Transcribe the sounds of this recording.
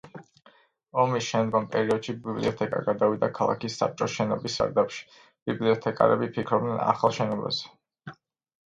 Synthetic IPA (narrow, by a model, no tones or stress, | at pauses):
ɔmisʃɛmd̪ɡɔmpʼɛɾiɔd̪̥ʃibiblḭɔt̪ʰɛkʼa̰ɡad̪avid̪akʰalˠa̰kisːa̰p̚t͡ʃʼɔʃɛnɔbisa̰ɾd̪apʃi̥ | b̥ibliɔt̪ʰɛkʼa̰ɾɛbipʰikʰɾɔb̚d̪nɛna̰χalˠʃɛnɔba̰zɛ